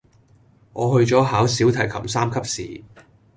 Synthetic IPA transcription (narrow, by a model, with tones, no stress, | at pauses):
ŋɔː˨˧hɵ˧ɥt͡sɔː˨˥ɦaː˨˥wsiː˨˥wt̪ʰɐ˨˩jkʰɐ˨˩msaː˥mkʰɐ˥p̚sḭː˨